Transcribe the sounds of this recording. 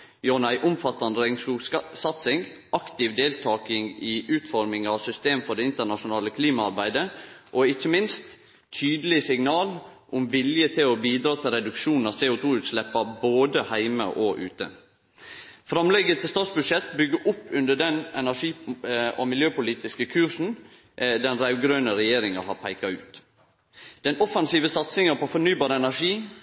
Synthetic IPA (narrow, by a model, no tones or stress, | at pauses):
jɔnæɪʔʊmfɑt̪ːɑnəɾɛŋsuːsɑt̪sɪŋ | ɑkt̪ɪʋd̪eːlt̪ʰɑːkɪŋɪʔʉːt̪fɔɾmɪŋɑʋsʏst̪eːmfɔɖɛɪnt̪əɳɑʂʊnɑːləkʰliːmɑɑɾbæɪd̪əʔoɪçːəmɪnst̪ʰ | yːd̪əlɪsɪŋnɑːlʔʊmʋɪljət̪ʰɪlɔbiːd̪ɾɑːt̪ʰɪlɾɛd̪ʉkʂuːnn̩ɑʋseːʊt̪ʰuːʉːt̪slɛpːɑboːd̪əhæɪmə̰ʔoʔʉ̰ːt̪ə̰ | fɾɑmlɛɡət̪ʰɪst̪ɑːt̪sbʉd̪ʂɛt̪bʏɡəʔʊpːʉnd̪əɖɛnɛnæʂiːomɪljøːpʊliːt̪ɪskəkʰʉɾʂn̩ | d̪ɛnɾæʉɡɾøːnəɾɛjeːɾɪŋɑhɑpʰæɪkɑʉːt̪ | d̪̥ɛnɔfɑnsiːʋəsɑt̪sɪŋəpʰɔfɔnyːbɑːɾəɛnæʂiː